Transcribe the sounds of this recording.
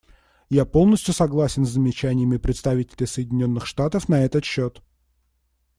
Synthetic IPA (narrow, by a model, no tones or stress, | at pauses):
japo̞lˠnəsʲtʲjʊsɐɡlˠasʲɪnzzəmʲɪt͡ɕænʲɪjəmʲɪpɾʲɪt̪st̪ɐvʲitʲɪlʲɪsəjɪdʲɪnʲo̞nːɨxʂt̪at̪əfnɐɛt̪ət̪ɕːo̞t̪